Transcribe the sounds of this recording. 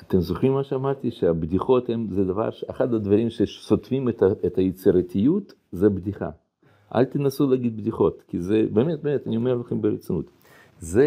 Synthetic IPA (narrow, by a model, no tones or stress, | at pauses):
at̪emzoχɾimːaʃeamaɾt̪iʃeabd̪iχo̞t̪hemzed̪ɐva̰ɾʃeaχat̪ad̪vɐɾʲimʃesot̪fʲimet̪ɐet̪ɐjet͡siɾat̪ʲijut̪ | zebd̪iχa̰ | ʔa̰lʲt̪inasulaɡid̪̚bd̪iχo̞t̪kʲizebemet̪̚bemet̪anʲiomeɾlɐχembeɾet͡sinṵt̪ | ze